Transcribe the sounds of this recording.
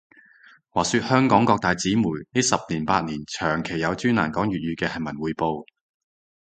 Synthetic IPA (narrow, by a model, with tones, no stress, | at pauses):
waː˨˩syː˧t̚hœː˥ŋkɔː˨˥ŋkɔː˧k̚t̪aː˨jt͡siː˨˥muː˨˩jne˥sɐ˨p̚niː˨˩npaː˧t̚niː˨˩nt͡ʃʰœː˨˩ŋkʰe˨˩jjɐ˨˧wt͡ʃyː˥na̰ː˨˩nkɔː˨˥ŋjyː˨t̚jyː˨˧kɛː˧hɐ˨jmɐ˨˩nwuː˨˧jpo˧w